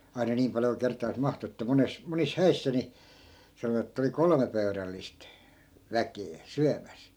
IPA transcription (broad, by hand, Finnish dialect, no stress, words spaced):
ɑi̯nɑ niːm pɑljo ku kertˑɑːs mɑhtu etːæ mones monis hæisːæ ni sɑnoʋɑt etːæ̆ oli kolŏme pøy̞rælːist ʋækeː syæmæs